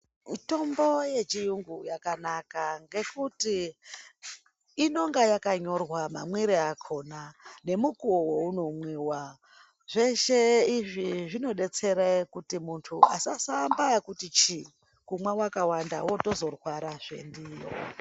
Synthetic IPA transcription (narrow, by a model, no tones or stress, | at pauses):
mito̞mbo̞je̞t͡ʃijuŋɡujakanakaŋɡe̞kuti | no̞ŋɡajakaɲo̞rwama̰mwiɾiakʰo̞nane̞mukuowo̞uno̞mwiːwa | ʐe̞ʃeiʐiʐino̞ɗe̞t͡se̞ɾakutimuntʰuasasambakutit͡ʃi | kumwawakawanda̰wo̞to̞zo̞rwaɾaʐe̞̰ndiːjo̰